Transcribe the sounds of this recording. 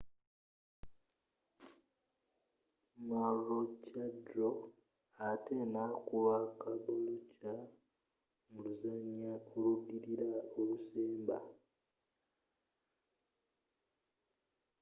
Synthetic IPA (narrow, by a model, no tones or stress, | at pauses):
marot͡ʃadɾo | atenakuβakaβoluca | muluzaɲjaoludiɾiɾaoluseːmba̰